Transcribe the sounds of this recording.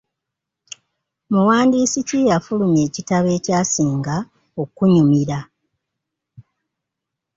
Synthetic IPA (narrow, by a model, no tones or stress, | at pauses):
muwaːndiːsicijafulumje̞ːcitaβe̞ːcaːsiːŋɡa | o̞kuɲumiɾa